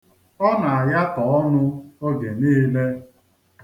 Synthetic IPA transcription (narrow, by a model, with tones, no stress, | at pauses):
ɔ˦na˨a˨ja˦tɔ˨ɔ˦nʊ˦o˦ɡe˨niː˦le˦